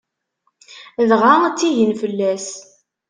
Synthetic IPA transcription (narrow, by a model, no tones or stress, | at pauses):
ðʁat͡sːiʝənfəlːæs